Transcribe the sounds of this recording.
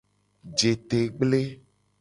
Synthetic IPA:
d͡ʒe˨t̪e˨ɡ͡ble˦

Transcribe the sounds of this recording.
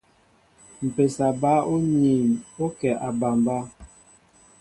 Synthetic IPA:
m̩˨pe˨sa˨ba˦o˦ɲi˨o˦kɛ˨ʔa˨ba˨mba˦

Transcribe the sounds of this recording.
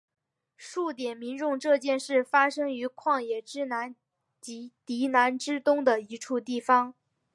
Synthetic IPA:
ʂu˥˩t̪jɛ˨˩nmi˧˥nʈ͡ʂʊ˥˧ŋʈ͡ʂɤ˥˧t͡ɕjɛ˥˧nʂɻ̩˥˩fa˥ʂɤ˥ŋy˧˥kʰwɑ˥˩ŋjɛ˨˩ʈ͡ʂɻ̩˥na˧˥n | t͡ɕt̪i˧˥na˧˥nʈ͡ʂɻ̩˥t̪ʊ˥ŋd̪ə˨i˧˥ʈ͡ʂʰu˥˧t̪i˥˩fɑ˧˥ŋ

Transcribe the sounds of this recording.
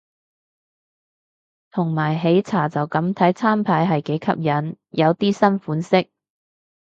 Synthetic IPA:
t̪ʰʊ˨˩ŋmaː˨˩jɦe˨˥jt͡sʰaː˨˩t͡sɐ˨wkɐ˨˥mt̪ʰɐ˨˥jt͡sʰaː˥mpʰaː˨˧˥jɦɐ˨jke˨˥jkʰɐ̰˧˥p̚jɐ˨˥n | jʔɐ˨˧wt̪iː˥sɐ˥nfuː˨˥nsɪ˥k̚

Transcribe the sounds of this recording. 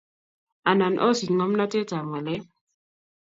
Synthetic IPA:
a˨na˨nʔɔ̰˦si˨ŋɔ˦m˦na˦tɛ˦t͡sa˨ŋwɛ˨lɛ˦

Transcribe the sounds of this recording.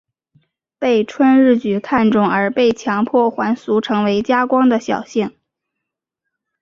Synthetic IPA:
pe˥˩ɪʈ͡ʂʰwə˥nɻ̩˥˩t͡ɕy˨˩kʰa˥˧nʈ͡ʂʊ˥˩ŋə˞˧˥pe˥˩ɪt͡ɕʰjɑ˧˥ŋpʰwɔ˥˩xwa˧˥nsu˧˥ʈ͡ʂʰɤ˧˥ŋwe˧˥ɪt͡ɕja˥kwɑ˥ŋd̪ə˨ɕjɑ˨˩ʊɕi˥˩ŋ

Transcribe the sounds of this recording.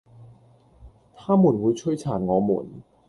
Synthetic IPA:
t̪ʰaː˥muː˨˩nwuː˨˧jt͡ʃʰɵ˥jt͡sʰaː˨˩nŋɔː˨˧muː˨˩n

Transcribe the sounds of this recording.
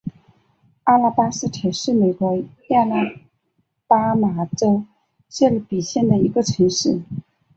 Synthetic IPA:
a˥la˥˧pa˥sɹ̩˥t̪ʰa˨˩ɪʂɻ̩˥˩me˨˩ɪkwɔ˧˥ja˥˧na˥˩ | pa˥ma˧˥ʈ͡ʂo˥ʊ | ɕɛ˥˩li˧˥pi˨˩ɕjɛ˥˩nd̪ə˩i˧˥ɡə˧ʈ͡ʂʰɤ˧˥ŋʂɻ̩˥˩

